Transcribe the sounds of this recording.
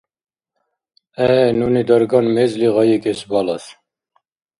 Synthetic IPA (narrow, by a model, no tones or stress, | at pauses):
ɛnunid̪ɑɾɡɑnmezliʁɑjekesbɑlɑs